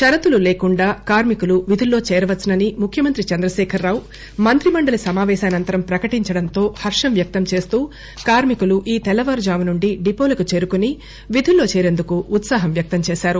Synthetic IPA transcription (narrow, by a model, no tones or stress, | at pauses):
ʃɐɾɐt̪ululeːkuɳɖaːkaːɾmikuluʋid̪ʱulːo̞ːt͡ʃɛːɾɐʋɐt̪sɐnɐnimukʰjɐmɐnt̪ɾit͡ʃɐnd̪ɾɐʃɛːkʰɐɾːaːw | mɐnt̪ɾimɐɳɖɐlɐsɐmaːʋɛːʃaːɐnɐnt̪ɐɾɐmpɾɐkɐʈiɲt͡ʃɐɽɐnt̪o̞ːhɐɾʂɐmʋjɐk̚t̪ɐmt͡ʃe̞ːst̪uː | kaːɾmikuluʔiːt̪ɛlːɐʋɐɾd͡ʒaːmɐnuɳɖiɖipoːlɐkut͡ʃe̞ːɾukuni | ʋid̪ʱulːo̞ːt͡ʃɛːɾe̞nd̪ukuːt̪saːɦɐmʋjɐk̚t̪ɐmt͡ʃeɛːʃaːɾu